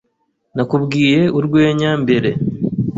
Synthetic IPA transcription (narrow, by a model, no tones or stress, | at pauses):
nakubɡiːje̞uɾɡwe̞ːɲambe̞ɾe̞